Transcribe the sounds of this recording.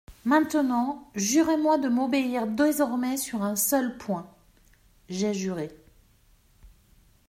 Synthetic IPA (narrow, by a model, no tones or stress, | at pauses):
mɛ̃t̪ənɑ̃ʒyʁemwad̪əmobeiʁd̪ezɔʁmɛsyʁɛ̃sœlpʰwɛ̃ | ʒɛʒyʁe